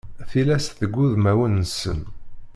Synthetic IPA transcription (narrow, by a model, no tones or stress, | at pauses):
θilæsθəɡːuðmæwənːsə̰n